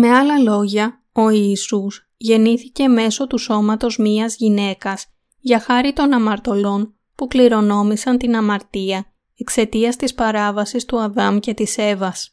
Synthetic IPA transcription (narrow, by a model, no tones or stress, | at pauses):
me̞ɐlɐlo̞ʝɐ | o̞iːsus | ʝe̞niθice̞me̞so̞t̪uso̞mɐt̪o̞zmiɐzʝine̞kɐz̥ | ʝɐxɐɾit̪o̞nɐmɐɾt̪o̞lo̞n | pukliɾo̞no̞misɐnt̪inɐmɐɾt̪iɐ | e̞kse̞t̪iɐst̪ispɐɾɐvɐsist̪uɐðɐmce̞t̪ise̞vɐs